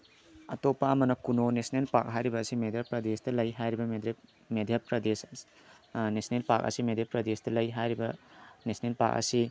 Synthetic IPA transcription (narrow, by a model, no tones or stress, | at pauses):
ɐtopːaɐmɐnɐkunonesnelpak̚ɦajɾibɐːsimedʱjapɾɐdestɐlɐjɦajɾibɐmed | medʱjapɾɐdes | nesnelpak̚ɐ̰simedjapɾɐdestɐlɐjɦajɾibɐnesnelpa̰k̚ɐ̰si